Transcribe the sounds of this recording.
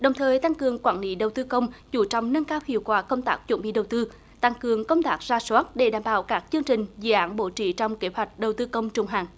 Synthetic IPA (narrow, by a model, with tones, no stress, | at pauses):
ɗə˨˩wŋ͡mt̪ʰəː˨˩jt̪a˧ŋkɨ˨˩əŋkwaː˧˩nlḭ˧˦ɗə˨˩wt̪ɨ˧kə˧wŋ͡mzu˧˩t͡ɕɔ̰˧˨wŋ͡mnə˧nkaː˧whḭ˧˨wkwaː˨˩kə˧wŋ͡mt̪aː˦˥k̚t͡ɕwə̰˧˩nɓḭ˧˨ɗə˨˩wt̪ɨ˧ | t̪a˧ŋkɨ˨˩əŋkə˧wŋ͡mt̪aː˦˥k̚zaː˧swaː˦˥t̚ɗe˧˩ɗaː˧˩mɓaː˧˩wkaː˦˥k̚t͡ɕɨ˧əŋt͡ɕï˨˩ŋ̟zɨ̰˧˥ʔaː˨˦nɓo̰˧˥t͡ɕḭ˧˩t͡ɕɔ˧wŋ͡mke˨˦hwa˨˩jk̟̚ɗə˨˩wt̪ɨ˧kə˧wŋ͡mt͡ɕʊ˨˧˩ŋ͡mɦa̰ː˨˩ŋ